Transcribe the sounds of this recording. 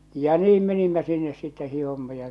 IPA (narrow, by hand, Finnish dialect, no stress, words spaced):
jɑ niːm menimːæ sinːes sitːe hihomːɑ jɑ